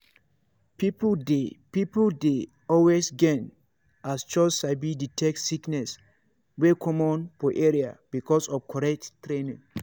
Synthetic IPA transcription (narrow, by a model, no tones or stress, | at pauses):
pipdepipolde | ɔlwesɡɛ̃n | ast͡ʃɔssabiditʰɛk̚tsiknɛs | wekʰɔ̃mɔ̃nfɔʔɛɹia̰b̥ikʰɔsɔfkʰɔɹɛk̚tːɹẽnḭ̃ŋ